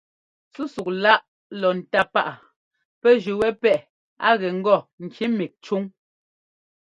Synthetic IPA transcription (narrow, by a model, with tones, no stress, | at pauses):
su˦su˨k̚la˦ʔ | lɔ˨n̩˨ta˦pa˦ʔa˨ | pɛ˦ʒʉ˨wɛ˦pɛ˦ʔ | a̰˦ɣɛ˨ŋ̩˦ɡɔ˦˨ŋ̩˨kʰi˨˦mi˨k̚t͡ʃu˦ŋ